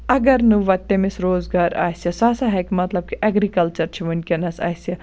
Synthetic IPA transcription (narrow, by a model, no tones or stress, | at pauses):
ɐɡɐɾnuʋɐt̪ːemisɾoːzɡaːɾa̰ːsjɐsaːsaɦɛkimɐt̪lɐb̚kiʔɛɡɾikɐlt͡ʃɐɾt͡ʃʰiʋɐnʲkenɐsa̰ːsjɐ